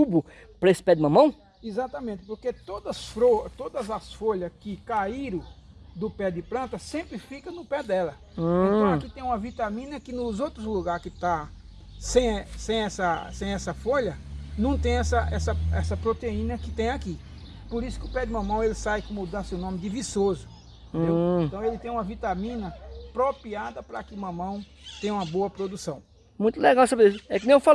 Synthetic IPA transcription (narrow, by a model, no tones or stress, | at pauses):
ubʊ | pɾɐesɪ̥pɛd̪ɪmɐ̃mɐ̃w̃ | izat̪ɐmẽnt̪ɪ̥poɾket̪od̪ɐsfɾot̪od̪ɐzɐsfoʎɐskɪkaiɾɐ̃d̪ʊpɛd̪ɪpɾɐ̃nt̪ɐsẽmpɾɪfikɐ̃nʊpɛd̪ɛlɐ̃ | akit̪ẽj̃ũmɐvit̪ɐmĩnɐkɪnʊzowt̪ɾʊzluɡaɾkɪt̪a | sẽj̃sẽj̃ɛsɐsẽj̃ɛsɐfoʎɐnɐ̃w̃t̪ẽj̃ɛsɐʔɛsɐɛ̰sɐpɾot̪eĩnɐkɪt̪ẽj̃aki | poɾisʊ̥kɪʊpɛd̪ɪmɐ̃mɐ̃w̃elɪsajkõmʊd̪asewnõmɪd̪ɪvisozʊ | ẽd̪eẽt̪ɐ̃w̃elɪt̪ẽj̃ũmɐvit̪ɐmĩnɐpɾopiad̪ɐpɾɐkɪmɐ̃mɐ̃w̃ | t̪ẽj̃ũmɐboɐpɾod̪usɐ̃w̃ | mũj̃t̪ʊlɛɡawsabeisɛkɪnẽw̃fal